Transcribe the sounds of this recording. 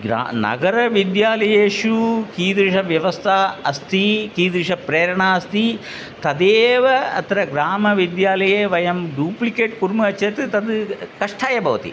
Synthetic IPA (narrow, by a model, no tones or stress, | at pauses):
ɡɾ̰nɐ̰ɡɐɾɐʋid̪jaːlɐjeːʂukiːd̪ɾiʂɐʋjɐʋɐst̪ʰaːɐst̪ʰikiːd̪ɾiʂɐpɾeːɾɐɳaːɐst̪ʰi | t̪ɐd̪eːʋɐɐ̰t̪ɾɐɡɾaːmɐʋid̪jaːlɐjeːʋɐjɐmɖuːplikeːʈkuɾmuɐt͡ʃjɐt̪ɨt̪ɐd̪kɐʂʈʰaːjɐbʱɐʋɐt̪ḭ